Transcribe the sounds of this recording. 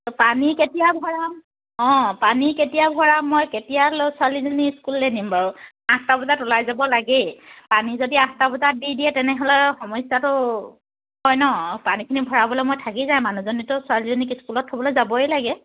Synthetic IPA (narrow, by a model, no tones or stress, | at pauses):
tɔpaniketijabʱɔɹam | ɔ̃paniketijabʱɔɹamːɔjketijalosʊalizɔniskulːenimbaɹʊ | ãstabɔzatɔlajzabɔlaɡɛpanizodiãstabɔzat̚didiɛtɛnɛɦɔlɛxɔmɔjsjatʊ | ɦɔjnɔpanikʰinibʱɔɹabɔlɛmojtʰakizaj̃manuzɔnitʊswalizɔnikiskulɔtʰːɔbɔlojzabɔelaɡɛ